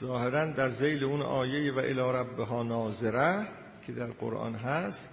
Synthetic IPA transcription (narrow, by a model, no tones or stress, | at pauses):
zɒːheɾænd̪æɾzejleunʔɒ̰ːjejevæʔḛlɒːɾæbːeɦɒːnɒːzeɾæ | cʰed̪æɾɢo̰ɾʔɒ̰ːnɦæst̪